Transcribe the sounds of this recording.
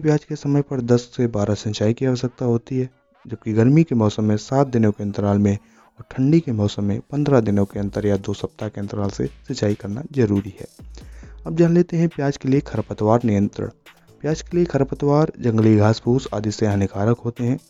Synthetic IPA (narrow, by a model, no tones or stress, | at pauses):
pjaːd͡ʒkesɐməjpɐɾd̪ɐsːebaːɾasə̃nt͡ʃaːikiaʋəs̬ək̚t̪aɦoːt̪iɦɛː | d͡ʒɐb̚kiɡɐɾmikemɔːsəmːẽsaːt̪̚d̪ɪnõkeɐ̃nt̪əɾaːlmẽ | ɔːɾʈʰə̃ɳɖikemɔːsəmːẽpɐ̃nd̪ɾad̪ɪnõkeɐ̃nt̪əɾjad̪oːsɐp̚t̪akeɪnt̪əɾaːlsḛsɪt͡ʃaːikɐɾnazɐɾuːɾiɦɛ̰ː | ɐb̚d͡ʒaɦənleːt̪eɦɛ̃pjaːd͡ʒkeliekʰɐɾpət̪waːɾnɪjə̃nt̪ɾə̰ɽ̃ | pjaːd͡ʒkeliekʰɐɾpət̪waːɾd͡ʒɐ̃ŋɡəliɡʱaːspuːsa̰ːd̪iseɦɐnɪkaːɾəkɦoːt̪eɦɛ̃ː